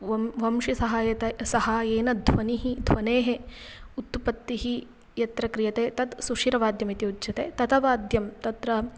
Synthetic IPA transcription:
ʋɐmʋɐmʃisɐɦaːjɐt̪ɐsɐɦaːjeːnɐd̪ʱʋɐniɦid̪ʱʋɐneːɦeut̪pɐt̪ːiɦi | jɐt̪ɾɐkɾijɐt̪eːt̪ɐt̪suʃiɾɐʋaːd̪jɐmit̪iudd͡ʒɐt̪eːt̪ɐt̪ɐʋaːd̪ʱjɐmt̪ɐt̪ɾɐ

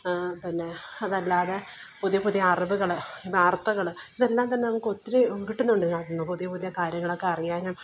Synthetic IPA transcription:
pinːe̞ɐðɐlːaːðepuðijɐpuðijɐːrɐbɨɣɐɭibaːrt̪ːɐɣɐɭiðelːaːmt̪̬ɐnːe̞nɐmukːɨo̞t̪ːiɾekiʈːunːuɳɖinaːʈːuɳːupuðijɐpuðijɐkaːɾjɐŋːɐɭo̞kːeɐrijaːnum

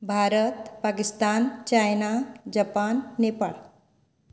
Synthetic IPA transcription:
bʱaɾət̪pakist̪ant͡ɕajnad͡ʑapanːepa̰ːɭ

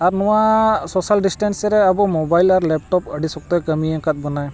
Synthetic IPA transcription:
aɾnɔwasɔsalɖisʈɛnsɾɛabɔmɔbajlaɾlɛp̚ʈɔpəɖisɔk̚t̪ɔjkəmiãŋkat̪̚bɔnaj

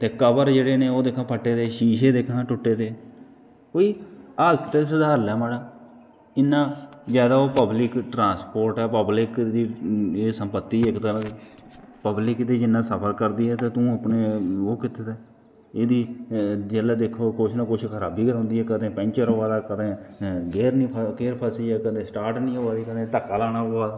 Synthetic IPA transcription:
t̪eːkəbəɾd͡ʒeːɽeːnẽːoːd̪eːkʰãːpʰəʈːeːt̪eːʃiːʃeːd̪ekʰãːʈʊʈːeːt̪eː | oːiːaːlkt̪eːsəd̪aːɾlɛːmaːɽaː | ɪnːãːzjaːd̪aːoːpəblɪkʈɾãːspoːɾʈɛːpəblɪkd̪iːeːsəmpət̪ːiːɪkt̪əɾãːeː | pəblɪkd̪iːd͡ʒɪnːãːsəpʰəɾkəɾd̪iːɛːt̪eːt̪ũːəpneːoːkɪt̪ːeːt̪eː | eːd̪iːd͡ʒɛːlaːd̪eːkʰːoːkot͡ʃʰnãːkʊt͡ʃʰkʰəɾaːbiːkəɾ̃ːnd̪iːɦɛːkəd̪ẽːpɛ̃ːnt͡ʃəɾɦoːaːd̪aːkəd̪ẽːɡeːɾnĩːpʰɡeːɾpʰəsiːɛːkəd̪ẽːsʈaːɾʈnĩːɦoːaːd̪iːkəd̪ẽːt̪əkːaːlaːnaːɦoːaːd̪aː

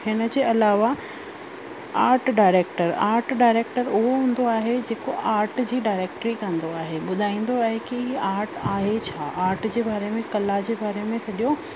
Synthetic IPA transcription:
hɪnə̆d͡ʑeːɐlaːʋa | aːɾʈɖaːɪɾeːk̚ʈəɾaːɾʈɖaːɪɾeːk̚ʈəɾʊɦoɦũːn̆d̪oaːɦed͡ʑeːkoʔaːɾʈd͡ʑiːɖaːɪɾeːk̚ʈɾikɐ̃nd̪oaːɦeɓʊd̪ʱaːĩːn̆d̪oaːɦekiaːɾʈaːɦet͡ɕʰaːʔaːɾʈd͡ʑeːbaːɾemẽkɐlad͡ʑeːbaːɾemẽsɐɗijo

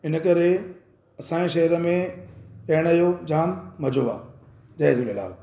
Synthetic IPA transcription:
ɪnə̆kɐɾe | ɐsãːeʃɐɦɾəmẽkɐːɪɽ̃ɐjod͡ʑaːmmɐd͡ʑoa̰ː | d͡ʑɐɦɪd͡ʑolɪla̰ːb

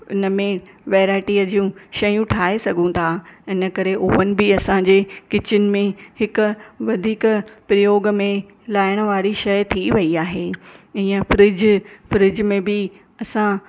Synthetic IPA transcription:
ɪnəmẽ | ʋeːɾaːɪʈiəd͡ʑiːũʃɐjũʈʰaːɦesɐɡʱũt̪ʰaɪnə̆kɐɾeʔʊɦənɪ̆bɪɐsãd͡ʑeːkɪt͡ɕɪnɪ̆mẽhɪkʊ̆ʋɐd̪ʱiːkpɾɐjoːɡəmẽ | laːɪɽ̃ə̆ʋaːɾiʃɐjt̪ʰiʋɐiaːɦeːɪ̃ːə̃fɾɪd͡ʑfɾɪd͡ʑmẽbɪ | ɐsã

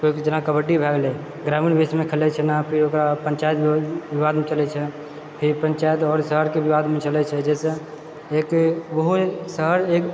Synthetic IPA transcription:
koikd͡ʒənakəbəʈibʱɛɡle | ɡɾaminbesmekʰəlɛt͡ʃʰɛnapʰiɾokɾapəɲt͡ʃajt̪ʋiʋad̪mẽt͡ʃəlɛt͡ʃʰɛ | pʰiɾpənt͡ʃajt̪ɔːɾsəɦəɾkebiʋad̪mẽt͡ʃəlɛt͡ʃʰɛd͡ʒɛsẽ | ekbəɦusəɦəɾek

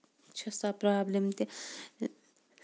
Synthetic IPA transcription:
t͡ʃʰɐsapɾaːblemt̪e

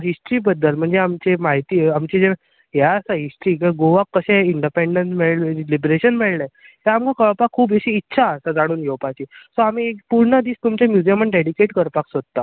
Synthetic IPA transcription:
ɦisʈɾiːbəd̪ːəlm̤əɳd͡zeamt͡ɕemaɦit̪iːamt͡ɕed͡ze | ɦjaəsaɦisʈɾiːkəɡoʋakːəɕeiɳɖipeɳɖənsmeɭllibɾeɕənmeɭləj | t̪jaamkakəɭpakʰːuːp̬eɕiːtːɕʰaəsad͡zaɽ̃uːnɡeʋpajt͡ɕiːsoamiekpuɾɳəd̪iːst̪umt͡ɕemjud͡ʑijeməɳɖeɽikeʈkəɾpaksod̪̚t̪ːa

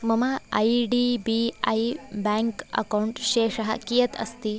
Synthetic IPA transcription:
mɐmɐɐ̰jɖibiɐ̰jbaːŋkɐ̰kɐwɳʈʃeːʂɐɦɐ̰kijɐt̪ʰɐ̰st̪i

